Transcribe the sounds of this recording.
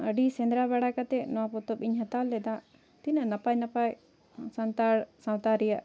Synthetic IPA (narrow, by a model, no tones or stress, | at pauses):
əɖisɛ̃nd̪ɾaβaɽakat̪ɛnɔwapɔt̪ɔpiɲɦat̪alːɛd̪aʔ | t̪inanapajnapaj | sant̪aɽsawt̪aɾijaʔ